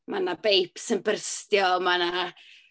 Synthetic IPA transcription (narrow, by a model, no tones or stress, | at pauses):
manabejpʰsənbərstjɔmana